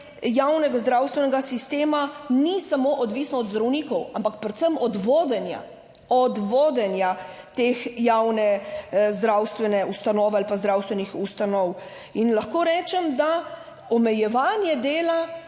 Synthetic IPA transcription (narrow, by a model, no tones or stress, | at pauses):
jawnɛɡazd̪ɾawst̪ʋɛnɛɡasist̪eːmanisamoʔɔd̪ʋiːsnɔɔd̪zd̪ɾɐwnikɔwampakpɾɛt̪səmɔd̪ʋoːd̪ɛnja̰ | ɔd̪ʋoːd̪ɛnjat̪eːxjawnɛzd̪ɾawst̪ʋɛnɛust̪anɔːʋalipazd̪ɾaːwst̪ʋɛnixust̪anɔw | inlaxkoːɾɛːt͡ʃɛmd̪a | ɔmɛjɛʋaːnjɛd̪eːla